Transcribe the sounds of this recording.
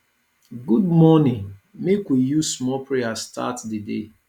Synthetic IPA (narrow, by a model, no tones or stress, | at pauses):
ɡud̚mɔnĩnmekwijusmɔpɹeastʰa̰tdidḛ